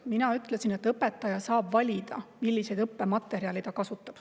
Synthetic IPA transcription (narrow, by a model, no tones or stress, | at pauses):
minɑyt̪ˑlesinet̪ːˑɤpːe̞t̪ːˑɑjɑsɑːbvɑlʲid̪̥ɑmilʲːise̞jd̪ɤpːe̞mɑt̪ːˑe̞ɾiɑlit̪ɑkɑsut̪ːˑɑb̥